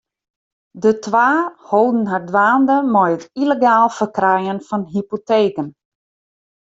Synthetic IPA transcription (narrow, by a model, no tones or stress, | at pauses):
dətʰʋaːhoːdn̩ɦardʋaːndəmɔjətileɡaːlˠfərkrɛjənfɔnɦipoteːkən